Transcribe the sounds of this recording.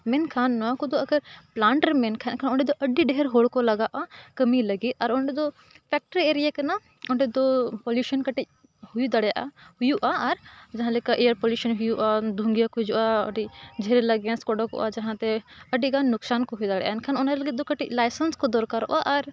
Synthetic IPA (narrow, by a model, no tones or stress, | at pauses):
mɛnkʰaːnːɔãkɔd̪oɐɡəɾplaːɳʈəɾmɛnkʰankʰaːnɔɳɖɛd̪ɔʔɐɖiɖɛɦɛɾɦoɽkɔlɐɡaʔakɐmilɐɡit̪ɐɾɔɳɖɛd̪ɔ | pʰɛk̚ʈəɾieɾijakɐna | ɔɳɖɛd̪opoljuːʃənkɐʈic̚ | huid̪ɐɽjaʔahʊjuʔaɐɾd͡ʒɐɦãlekaʔejəɾpoːljuːʃənɦʊjuʔad̪ʱũŋɡijakud͡ʒuʔaɔ̰ɖid͡ʒɛɾelɐɡãskɔɖəkɔ̰ʔad͡ʒɐɦãt̪ɛɐɖiɡaːʊksaːnkɔɦujd̪aɽɛ̰jʔa̰nkʰaːnɔnaləɡit̪̚d̪okɐʈiclajsənskɔd̪ɔɾkaɾɔ̰ʔaʔɐɾ